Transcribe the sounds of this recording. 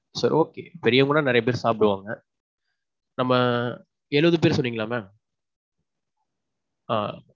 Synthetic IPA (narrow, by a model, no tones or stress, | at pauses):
sɐɾ̰oːkḛːpɛɾɪjɐŋɡɯnːaːnɪɾɐjɐp̬eːɾsaːpɪɽɯʋaːŋɡɐ | nɐmːɐ | eɻɯʋɐðɯpeːɾsɔnːiːŋɡɐlaːmaː | a̰ː